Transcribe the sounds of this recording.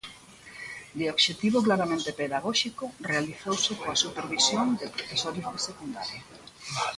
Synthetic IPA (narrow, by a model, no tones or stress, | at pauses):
d̪eobʃet̪iβoklaɾamẽnt̪epeðaɣ̞oʃikorealiθowsekoasupeɾβisjond̪epɾofesoɾjozðesekund̪a̰ɾja